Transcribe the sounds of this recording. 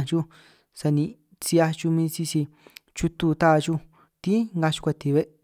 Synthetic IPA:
t͡ʃu˦ | sa˧nĩ˧ | t͡si˧a˧t͡ʃu˧mĩː˦˧t͡ʃi˧si˧t͡ʃu˧t̪u˦˧t̪a˦˧t͡ʃu˦ | t̪i˦ŋɡa˧t͡ʃu̥˧kʷa˧t̪i˧βe˦ʔ

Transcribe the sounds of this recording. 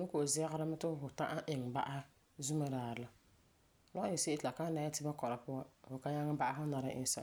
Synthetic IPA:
nʊ˦ko˨ʔzɛ˦ɣa˦ɾa˦ma˦tɨ˦˨ɦʊ˨ta̰˦ʔa˦ʔɪ˨ŋ˨ba̰˦ʔa˦ | zu˦ma˦daː˨ɾɨ˨la˦˨ | lɔ˦ɪ˨se˦ʔɪ˦tla˨ka˦na˦jɪ˦tɪ˦ba˦kɔ˨ɾa˨pʊ˦a˦fʊ˨ka˦ɲa˦ŋ˦ba˦ʔa˦ɦʊ˦na˨ɾa˦ʔɪ˦sa̰˨

